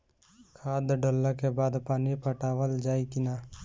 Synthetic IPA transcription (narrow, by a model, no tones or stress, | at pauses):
kʰaːd̪ɖolːəkebaːd̪paːnipəʈaːʋəld͡ʒaːikɪnaː